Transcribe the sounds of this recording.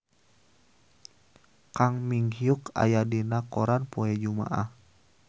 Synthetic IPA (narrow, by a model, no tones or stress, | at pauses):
kaŋmiŋhiuka̰jadinakɔɾanpoɛd͡ʒuma̰ʔah